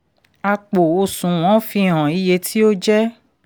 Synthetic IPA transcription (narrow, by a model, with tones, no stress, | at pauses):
a˧k͡po˨o˧sũ˨w̃ɔ̃˨˦fĩ˧ɦɔ̃˨i˦je˧tʰi˦o˦d͡ʒɛ˦